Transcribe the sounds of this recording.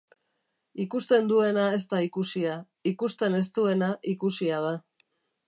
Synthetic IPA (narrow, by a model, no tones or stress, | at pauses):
ikust̪e̞nd̪ue̞nae̞st̪aikusia | ikust̪e̞ne̞s̬t̪ue̞naʔikusiað̞a